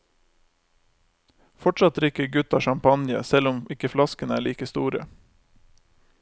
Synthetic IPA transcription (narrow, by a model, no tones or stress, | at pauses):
fɔʈʃɑt̪ɾɪkəɡʉt̪ɑʃɑmpɑnjə̰sɛlʊmɪkəflɑskənæːɭiːkəst̪uːɾə̰